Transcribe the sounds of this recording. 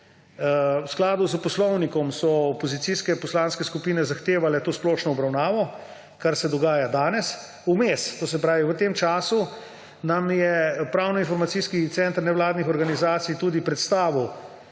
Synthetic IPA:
wsklaːd̪uzpɔslɔwnikɔmsɔɔpɔzit̪siskɛpɔslaːnskɛskupiːnɛzaxt̪eːʋalɛt̪oːsplɔːʃnɔːbɾawnaːʋɔ | kaɾsɛd̪ɔɡaːjad̪aːnɛs | umest̪oːs̬ɛpɾaːʋiʋət̪eːmt͡ʃaːsu | namjɛpɾaːwnɔinfɔɾmat̪iskit̪sɛnt̪əɾnɛwlaːd̪nixɔɾɡanizaːt̪sijt̪uːd̪ipɾɛt̪st̪aːʋiw

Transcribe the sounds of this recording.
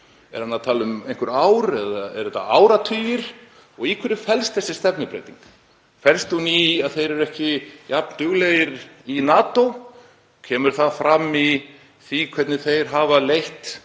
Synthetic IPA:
ɛ̰ɾhanːaðt̪ʰaːlʏmejnkʏɾaːwɾɛðaɛ̰ɾðɛt̪ːa̰aːwɾat̪ʰyːjɪɾ̥ | ɔɣikʰvɛɾɪfɛlst̪θɛsːɪst̪ɛpnɪpɾḛjt̪ḭŋk | fɛlst̪uniaðθejɾɛɾɛhcɪjapnt̪ʏɣlejɪɾinaːt̪ow | cʰɛːmʏɾ̥θaðfɾamːi | θikʰvɛt̪nɪθejɾ̥ɦaːvalejht̪

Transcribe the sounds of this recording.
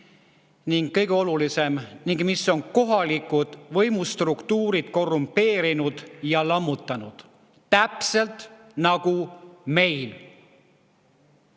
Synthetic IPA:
niŋɡːɤjɡeo̞lulise̞mniŋɡ̥miso̞nko̞ɦɑlikˑud̪̥vɤjmust̪rukt̪uːɾid̪̥̚ko̞rːumpe̞ːɾinud̪̥jɑlɑmːut̪ˑːɑnud̪̥ | t̪æpse̞lt̪ˑ | nɑɡ̥ume̞jl

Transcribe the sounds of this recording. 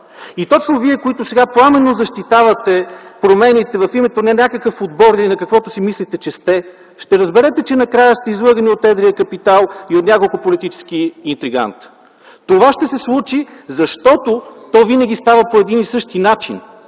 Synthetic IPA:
it̪ɔt͡ʃnoviɛkoit̪ʊsɛɡaplˠamɛnozɐʃt̪it̪avɐt̪ɛpɾomɛnit̪ɛvɐfimɛt̪onɛnʲakəkəfod̪bɔɾnʲinɐkɐkvɔt̪ʊsimislit̪ɛt͡ʃɛst̪ɛ | ʃt̪ɛɾəzbɛɾɛt̪ɛt͡ʃɛnɐkɾajəst̪ɛizlˠɤɡəniot̪ɛd̪ɾiəkɐpit̪alˠiot̪nʲakolˠkʊpolit̪it͡ʃɛ̥sk̟iint̪ɾiɡa̰nt̪ | t̪ovaʃt̪ɛsɛslˠut͡ʃizɐʃt̪ɔt̪ot̪ɔvinɐɡʲist̪avɐpoɛd̪inisɤʃt̪inat͡ʃḭn

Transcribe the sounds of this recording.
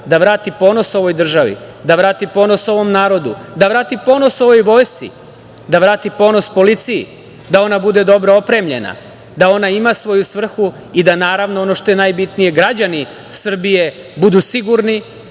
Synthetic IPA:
d̪aʋɾaːt̪ipo̞ːno̞so̞ʋo̞jd̪r̩ʒaʋḭd̪aʋɾaːt̪ipo̞no̞so̞ʋo̞mnaːɾo̞d̪ud̪aʋɾaːt̪ipo̞no̞so̞ʋo̞jʋo̞ːjst̪sḭ | d̪aʋɾaːt̪ipo̞ːno̞spo̞lit̪sijḭ | d̪ao̞nabud̪e̞d̪o̞bɾoopɾe̞mʎḛna̰ | d̪ao̞naimasʋo̞jusʋr̩xu | id̪anaːɾaʋnoono̞ʃt̪o̞je̞najbit̪nije̞ɡɾad͡ʑani | sr̩bije̞ | bud̪usiɡuɾni

